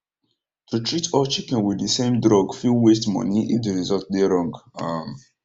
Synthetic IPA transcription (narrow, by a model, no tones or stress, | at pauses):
tʰutʰɹitʰɔt͡ʃikɛ̃nwiddəsẽmdɹɔɡfilˠwestmɔ̰̃niʔḭfdəɹizɔlt̚deɹɔ̃ŋɡam